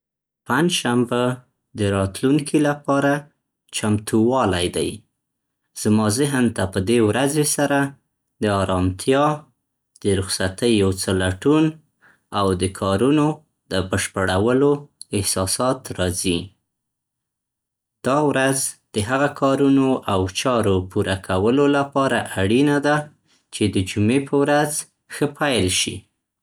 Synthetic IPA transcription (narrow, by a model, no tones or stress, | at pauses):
paɲd͡ʒʃamba | d̪əɾɑt̪luŋkʰilapɑɾa | t͡ʃamt̪uwɑlajd̪a̰j | z̥mɑzəɦant̪apəd̪ewɾazesaɾa | d̪əɑɾɑmt̪ʰjɑ | d̪̥əɾʊxsat̪əjːawt͡səlaʈun | awd̪əkʰɑɾuno | d̪əbəʃpəɽawəloɪhsɑsɑt̪ɾɑzi | d̪̥ɑwɾazd̪̥əɦaɣakʰɑɾunoʔawt͡ʃɑɾopuɾakʰawəlolapɑɾaʔaɽinad̪a | t͡ʃed̪əd͡ʒumepʰəwɾaz | xəpʰajlʃḭ